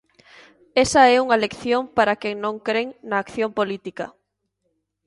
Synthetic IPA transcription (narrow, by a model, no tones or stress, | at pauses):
ɛsɐɛuŋɐlekθjompaɾakɛŋnõŋkɾeŋnɐːkθjompolit̪ikɐ